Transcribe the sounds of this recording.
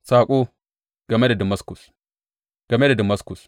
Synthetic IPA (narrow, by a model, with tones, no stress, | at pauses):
saː˨kʼo˦ | ɡ̥ɐ˨me˦da˨dɐ˨mɐ˦sku˨s | ɡ̥ɐ˨me˦da˨dɐ˨mɐ˦sku˨s